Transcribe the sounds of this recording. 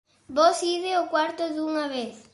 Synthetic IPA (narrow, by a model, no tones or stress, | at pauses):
bosiðeokwaɾt̪oðuŋaβeθ